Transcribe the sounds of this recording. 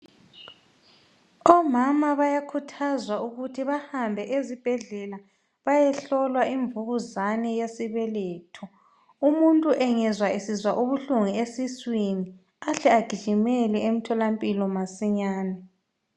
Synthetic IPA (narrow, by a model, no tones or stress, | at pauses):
ɔmamaβajakʰutʰazwauɣutʰiβahambʱɛʔezib̥ʱɛɮɛla | βajɛɬɔlwaiɱbvuɣuzanɛjesiβɛlɛːtʰɔ | umuntʼuʔɛŋɛzwaisizwaʔuβuɬuŋiesiswini | aɬɛaɡ̥ʱi̥ʒ̥ʱimɛlɛemitʰɔlampʼilɔmasiɲaːnɛ